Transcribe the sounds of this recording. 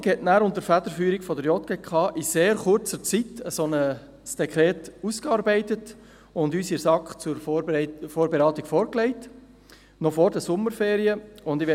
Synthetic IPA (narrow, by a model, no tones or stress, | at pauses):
khɛtnæːɾʊntəɾfædəɾfyːɾiɡfɔdəɾjɔt̚ɡ̥ekʰχɑːʔiseːɾχʊɾt͡sət͡sitəsɔnə | sd̥ɛkʰɾɛːtuskɑɾbæɪtət | ʊndyːsiɾsɑkχt͡suɾffoːɾbeɾɑːtɪɡ̥fɔːɾklɛɪt | nɔfɔːɾdəsʊməɾfeːɾiəʊndɪʋɛ